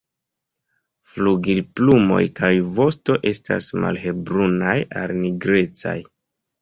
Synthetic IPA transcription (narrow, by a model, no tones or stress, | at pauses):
fluɡilplumo̞̰jkajvo̞sto̞ʔe̞sta̰sma̰lhe̞bɾunajalniɡɾe̞t͡sa̰j